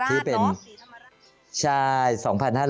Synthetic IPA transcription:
t̪ʰiː˥˩pe˧n | t͡ɕʰaː˧jsɔː˩˦ŋpʰa˧nhaː˥˩ɾ

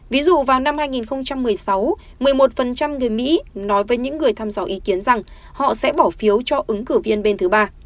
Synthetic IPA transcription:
vi˨˦zṵ˧˨vaː˨˩wna˧mhaː˧jŋi˨˩nxə˧wŋ͡mt͡ɕa˧mːɨ˨˩əjsa˨˦w | mɨ˨˩əjmo˨˩t̚fə˨˩nt͡ɕa˧mŋɨ˨˩əjmḭ˧˥nɔ˨˦jvəː˨˦jɲɨ̰˧˥ŋːɨ˨˩əjt̪ʰaː˧mza̰ː˨˩wʔi˨˦ki˨˦ənza˨˩ŋ | hɔ̰˧˨sɛ̰˧˥ɓɔ˧˩fi˨˦əwt͡ɕɔ˧ʔɨ˨˦ŋkɨ˧˩vi˧ənɓe˧nt̪ʰɨ˨˦ɓaː˧

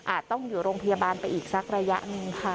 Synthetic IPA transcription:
ʔaː˨˩t̪̚ːɔ˥˩ŋjuː˨˩ɾoː˧ŋpʰa˧jaː˧baː˧npa˧jʔiː˨˩k̚sa˦˥k̚ɾa˧ja̰˦˥ʔnɯ˧ŋkʰa˥˩

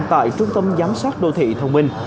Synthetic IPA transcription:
t̪a̰ː˧˨jt͡ɕʊ˧ŋ͡mt̪ə˧mzaː˨˦msaː˦˥t̚ɗo̰˧˨t̪ʰḭ˧˨t̪ʰə˧wŋ͡mmï˧ŋ̟

